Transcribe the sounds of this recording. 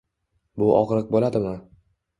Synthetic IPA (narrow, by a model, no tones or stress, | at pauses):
bʊʔɒ̰ʁɾɨq̚bolad̪ɪmɪ